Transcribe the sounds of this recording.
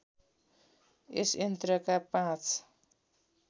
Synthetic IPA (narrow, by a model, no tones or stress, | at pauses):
esjʌnt̪rʌkapãt͡sʰ